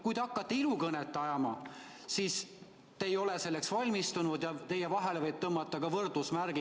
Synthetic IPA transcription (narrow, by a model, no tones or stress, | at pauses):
kujd̪e̞ɑkːˑɑt̪ːe̞ilukɤnet̪ːˑɑjɑmɑ | siːs | t̪e̞ːjo̞lese̞lːe̞ksvɑlʲmist̪unud̪jɑt̪e̞jevɑɦe̞levɤjb̥̚t̪ɤmːɑt̪ːˑɑkɑvɤrd̪usmærɡ̥i